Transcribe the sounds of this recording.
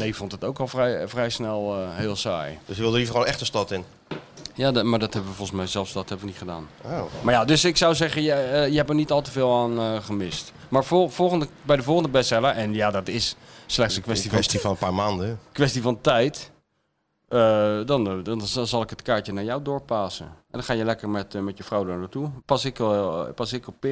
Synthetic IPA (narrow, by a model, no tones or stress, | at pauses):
nejəfontətowkɔlˠfrɛjfrɛjsnɛlˠəɦɪːlˠsa̰ːjd̥øsjəʋɪlˠdəlivəonɛxtəstɔtɪn | jadmaɹdɔthɛbəʋəfɔlˠsmɛjzɛlˠfsdɔthɛbəʋənitχəda̰ːnomaɹjadøsɪksawzɛχənjajəɛpəɹnitɑlˠtəvɪːlˠaːnəχəmɪst | maːɹfofoχəndəbɛjdəvolˠχəndəbɛstɛləʔɛnjadɔtɪsslɛxtsəkʋɛsstifnpaːɹmaːndəəkʋɛstifɔntɛjt | ədɔndɔnnzɑlˠɪkɦətkaːɹtənaɹjawdʊːɹpaːsə̰ɛndɔnχaːjəlɛkərmɛtmɛtjəfrowdanatupasɪkpasɪkɔpɪ